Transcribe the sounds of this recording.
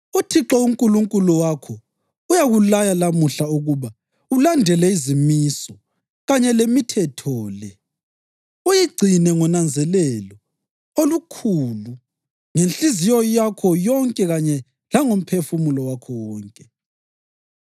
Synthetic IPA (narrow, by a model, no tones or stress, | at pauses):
utʰiǁɔuŋkʼuluŋkʼuluwakʰɔ | ujaɣulajalamuɬauɣuβa | ulandʱɛlɛizimisɔ | ɣaɲɛlemitʰɛtʰɔːlɛ | ujiɡ͡ǀʱinɛŋɔnand͡zʱɛlɛlɔ | olukʰuːlu | ŋenɬizijɔjakʰɔjɔŋkʼɛɣaɲɛ | laŋom̩pʰefumulɔwakʰɔwɔːŋkʼɛ